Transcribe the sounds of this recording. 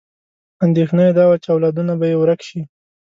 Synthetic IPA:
and̪exnəjd̪ɑwat͡ʃawlad̪unabajewɾakʃi

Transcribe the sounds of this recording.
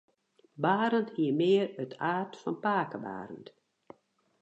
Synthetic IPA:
baːɾəntiəmɪərøtʰaːrtfɔnpaːkəba̰ːɾənt

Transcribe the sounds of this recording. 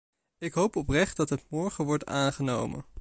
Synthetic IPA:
ɪkɦowpɔprɛχt̚dɑtɦətmɔɹχəʋɔɹtaːnχəno̰wmə̰n

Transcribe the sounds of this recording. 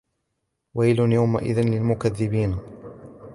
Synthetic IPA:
wajlʊnjawma̰ʔɪ̰ðɪnlɪlmʊkaðːɪbiːn

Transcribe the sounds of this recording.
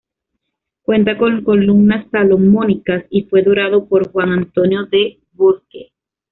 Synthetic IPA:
kwe̞nt̪akoŋkolumnasːalo̞monikasifwe̞ðoɾaðo̞po̞ɾxwaŋant̪o̞njo̞ðe | βuɾke

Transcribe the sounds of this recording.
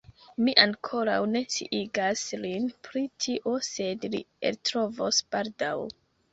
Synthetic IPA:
miʔaŋkʰo̞ɾawne̞sḭʔiɡaslinpʰɾitʰiʔo̞se̞dlḭḛltɾo̞vosb̥aɾdaw

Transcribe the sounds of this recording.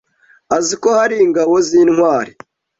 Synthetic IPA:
azikohaɾiːŋɡawoziːnhwaːɾi

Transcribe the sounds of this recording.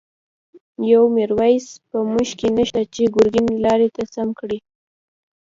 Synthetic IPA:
jawmeɾwajspəmuʃkenəʃt̪at͡ʃeɡʊɾɡinelɑɾet̪asamkɽi

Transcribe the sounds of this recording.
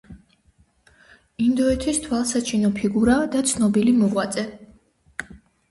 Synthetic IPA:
ind̪ɔɛt̪ʰist̪ʰwalˠsat͡ʃʰinɔpʰiɡuɾad̪at̪sʰnɔbilimuʁwat̪sʼɛ

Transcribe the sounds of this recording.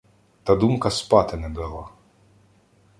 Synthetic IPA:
t̪ɐd̪umkɐspɑt̪ɪnɛbɪlˠɑ

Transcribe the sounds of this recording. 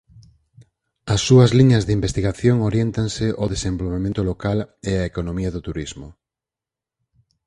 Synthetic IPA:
ɐsːuɐzliɲɐzðɪimbest̪iɣaθjoŋoɾjent̪ansɪʔoðesembolβemẽnt̪ʊlokaleɐekonomiɐðʊt̪uɾizmʊ

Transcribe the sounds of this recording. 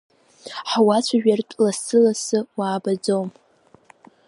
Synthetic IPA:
ħawat͡sʷʰaʒᶣartʼlasɨlasɨwaːbad͡zowm

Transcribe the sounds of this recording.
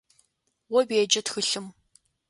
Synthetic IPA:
wɔbeːd͡ʒɐtxɨɬɨm

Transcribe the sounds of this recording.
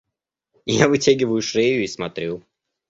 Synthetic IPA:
javɨtʲæɡʲɪvəjʊʂejʊismɐt̪ɾʲu

